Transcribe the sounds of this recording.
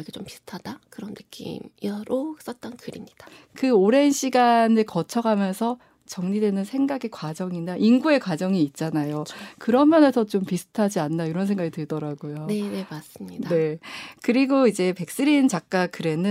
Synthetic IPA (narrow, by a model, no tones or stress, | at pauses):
iket͡ɕompi̥sʰɯ̥tʰad̥akɯɾʌnːɯk͈ḭmiɾos͈ʌt̚t͈ʌnkɯɾimɲid̥ḁ | kɯoɾe̞nɕʰiɡanɯɭkʌt͡ɕʰʌɡamjʌnsʰʌ | t͡ɕʌŋɲidwe̞nɯnsʰe̞ŋɡaɡe̞kwad͡ʑʌŋindaʔinɡue̞kwad͡ʑʌŋiːt̚t͡ɕ͈anajokɯɾʌmjʌnesʰʌt͡ɕompisʰɯ̥tʰad͡ʑianːaiɾʌns̬ʰe̞ŋɡaɡitɯɭdʌɾaɡujonene̞mas͈ɯmɲidae̞kɯɾiɡoid͡ʑe̞pe̞k̚s͈ɯɾint͡ɕak̚k͈akɯɾe̞nɯ